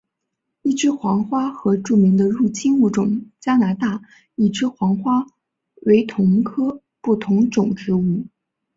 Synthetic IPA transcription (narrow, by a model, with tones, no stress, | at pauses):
i˥˩ʈ͡ʂɻ̩˥xwɑ˧˥ŋxwa˥xɤ˧˥ʈ͡ʂu˥˩mi˧˥ŋd̪ə˧ɻu˥˩t͡ɕʰi˥nu˥˩ʈ͡ʂʊ˨˩ŋt͡ɕja˥na˧˥t̪a˥˩ | i˨˩ʈ͡ʂɻ̩˥xwɑ˧˥ŋxwa˥ | we˧˥ɪt̪ʰʊ˧˥ŋkʰɤ˥ | pu˥˩t̪ʰʊ˧˥ŋʈ͡ʂʊ˨˩ŋʈ͡ʂɻ̩˧˥u˥˩